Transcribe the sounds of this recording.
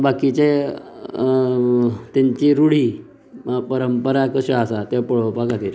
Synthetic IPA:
bakit͡ɕe | t̪jaɲt͡ɕiːɾuɽiː | pəɾəmpəɾakəɕəasat̪epəɭpakat̪iːɾ

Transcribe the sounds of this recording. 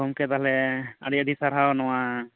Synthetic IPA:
ɔmkɛt̪aɦlɛa̰ɽiadisaɾɦawnɔwa

